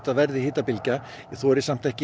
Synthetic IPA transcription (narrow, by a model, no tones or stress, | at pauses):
t̪avɛɾðɪhɪːt̪apɪlca | iθoːɾɪsam̥t̪ɛhcɪ